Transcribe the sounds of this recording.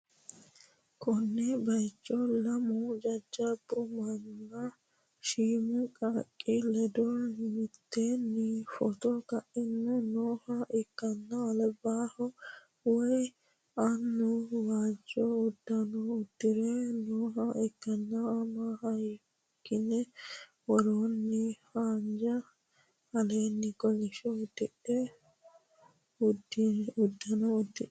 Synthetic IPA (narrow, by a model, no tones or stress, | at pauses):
kʰɔnːɛbɐjt͡ʃʼːɔlɐmɔd͡ʒɐd͡ʒːɐbːʊmɐnːɐ | ʃiːmɛkʼakʼːɪlɛd̪ɔmɪt̪ːɛnifɔt̪ɔkɐʔɪnːɛnoːhɐʔɛkːɐnːɐːlbaːhɔ | wɔj | ɐnːʊwaːd͡ʒɔʊd̪ːɐnɔʊd̪̥ːɪɾɛnoːɦɐʔɛkːɐnːɐːmahɐj | kːɪnɛ | wɔɾoːnːɪhaːnd͡ʒɐ | hɐleːnːɪkɔlɪʃɔd̪ɛʔɛ | ʊd̪ʊd̪ːɐnɔʊd̪ːɪʔɛ